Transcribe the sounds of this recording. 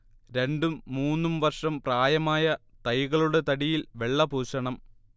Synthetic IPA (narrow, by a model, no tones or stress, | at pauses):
ɾe̞ɳɖumːuːnːumʋɐrʂɐmpraːjɐmaːjɐt̪ɐjɣɐɭuɽe̞t̪ɐɽijilʋe̞ɭːɐbuːɕɐɳɐm